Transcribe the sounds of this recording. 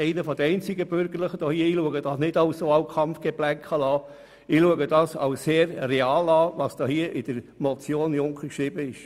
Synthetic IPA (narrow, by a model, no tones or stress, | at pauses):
ɛɪnəfɔd̥̪əɛɪnt͡sɪɡəbʏɾɡəɾləχəd̥ohiːəiːluəɡəd̥ɑːsnɪdɑʊsoɑwkʰɑmfɡ̥eb̥læŋkχɑlɑː | ɪluəɡəd̥ɑːsɑ̰wsseːɾreɑːlɑːʋɑsd̥ɔhiəʔɪd̥əɾmɔt͡sjoːnjʊŋkəkʃɾɪbəɪʃ